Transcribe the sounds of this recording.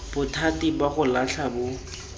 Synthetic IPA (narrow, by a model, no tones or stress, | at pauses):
b̥ʊtʰatibaχʊlaɬʰabʊ